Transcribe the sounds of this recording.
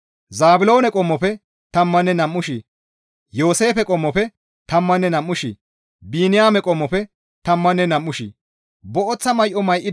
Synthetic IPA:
zaːbɪlo̞ːnɛkʼɔmːɔpɛ | t̪ɐmːɐnːɛnɐmːʊʃi | jo̞ːse̞ːfɛkʼɔmːɔpɛ | t̪ɐmːɐnːɛnɐmːʊʃi | biːnɪjaːmɛkʼɔmːɔpɛ | t̪ɐmːɐnːɛnɐmːʊʃḭ | bɔʔɔt͡sːɐmɐjʔɔmɐjʔːɪ

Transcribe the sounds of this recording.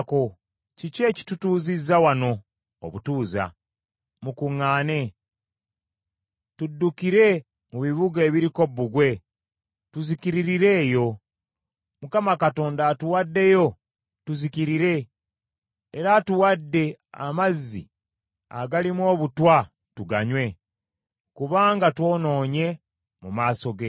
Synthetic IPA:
ko̞ | cice̞ːci̥tutuːzizːawano̞̰ː | βutuːza̰ | mukuŋːaːne̞ | tudːukiɾe̞ | muβiβuɡe̞ːβiɾiko̞bːuɡwe̞ | tuzikiɾiɾiɾe̞ːjo̞ | mukamakato̞ːndatuwadːe̞jo̞ | tuzikiɾiɾe̞ | ɾatuwadːe̞a̰mazːḭ | a̰ɡalimwo̞ːβutwa | tuɡa̰ɲwe̞ | kuβaːŋɡatwo̞ːno̞ːɲe̞ | mumaːso̞ɡe̞

